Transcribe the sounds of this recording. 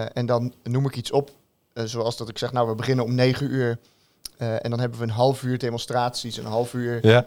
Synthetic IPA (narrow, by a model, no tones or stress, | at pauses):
ʔɛndɑnːumɪkitsɔp | zowɑlˠzdɑtɪksɛχnawʋəbəχɪnənɔmnejχənyːɹ | ɛ̰ndɑnɦɛbəʋəːnɦɑlˠfyːɹdejmɔnstraːtsisənɦɑlˠfyːɹ